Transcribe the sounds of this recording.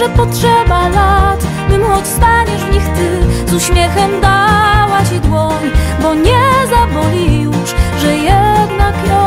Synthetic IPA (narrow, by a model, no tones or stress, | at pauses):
ʐɛpɔtʂɛbalat̪ | bɘmxɔt͡ɕst̪aɲizɲixt̪ɨzuɕmʲjɛxɛmd̪awat͡ɕid̪wɔɲibɔɲɛzabɔlʲijuʂʐɛjɛd̪nakjɔ